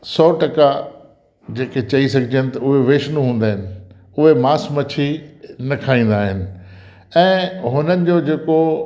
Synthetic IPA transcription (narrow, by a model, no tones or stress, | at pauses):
sɔːʈɐka | d͡ʑeːket͡ɕɐisɐɡʱɪd͡ʑiənɪ̆t̪ɐʊɦeʋeːʃnũɦũːn̆d̪aːɦɪnɪ̆ | ʊɦemaːsmɐt͡ɕʰinɐkʰaːĩːn̆d̪aːɦɪnɪ̆ | ɛ̃ːɦʊnənɪ̆d͡ʑoːd͡ʑeːko